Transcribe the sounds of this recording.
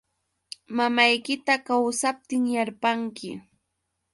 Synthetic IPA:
mamajkɪt̪akawsap̚t̪ɪŋjaɾpaŋkɪ̰

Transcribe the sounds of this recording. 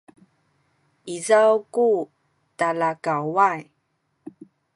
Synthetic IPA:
ʔizawku | talakawaj

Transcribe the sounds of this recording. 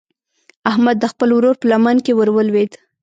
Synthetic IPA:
ahmad̪ːəxpəlwɾoɾpəlamankewəɾwəlwed̪

